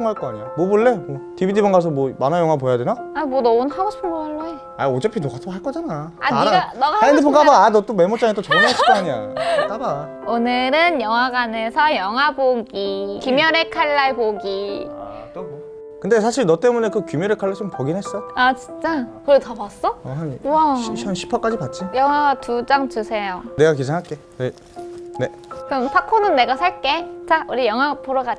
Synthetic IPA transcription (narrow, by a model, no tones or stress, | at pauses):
oŋɦaɭk͈ʌaɲijamoboɭːe̞mʌtibidibanɡas̬ʰʌmwʌmanajʌŋɦwapojadwenaamwʌnʌunɦaɡoɕi̥pʰɯnoaɭːoe | aod͡ʑepʰinoɡat͈ʰoɦaɭk͈ʌd͡ʑanaaaiɾaɡanʌɡaɯnd̪epʰokabaanʌt͈omemot͡ɕ͈aŋet͈ot͡ɕʌmaasʰit͈oaɲia̰k͈aba | onɯɾɯnjʌŋwaɡane̞sʰʌjʌŋɦwaboɡikimjʌɾekʰaɭːaɭboɡia̰ | to | kɯnde̞sʰaɕʰiɭnʌt͈e̞mune̞kɯkumjʌɾekʰaɭːat͡ɕompʌɡinɦe̞s͈ʌoat͡ɕi̥nt͡ɕ͈akɯɾotʌbas͈ʌɦaʌʌnɕʰi̥pʰʌk͈ad͡ʑipat̚t͡ɕ͈ijʌŋɦaɡatud͡ʑaŋt͡ɕusʰe̞jone̞ɡak̬esʰeŋɦaɭk͈e̞ne | ne | kɯɾʌmpʰakʰonɯnːe̞ɡasʰaɭk͈e̞t͡ɕauɾijʌŋɦwapoɾʌɡa